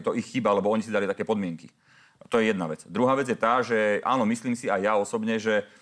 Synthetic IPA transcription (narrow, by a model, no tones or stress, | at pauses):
t̪ɔʔixːibaalɛbɔɔɲisid̪alit̪akɛːpɔd̪mɪɛŋki | t̪ɔjɛjɛd̪na̰ʋɛt͡sd̪ɾuɦaːʋɛd͡zjɛt̪aːʒɛa̰ːnɔmisliːmsiajaɔsɔbɲɛʒɛ